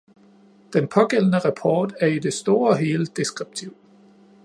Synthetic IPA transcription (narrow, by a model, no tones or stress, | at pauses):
d̥enpʰɒ̽ɡ̥el̰ənəʁɑpʰɒːd̥æɐide̝sd̥o̝ːɐɒɦe̝ːləd̥e̝sɡ̥ʁib̥̚t͡sʰiʊ̰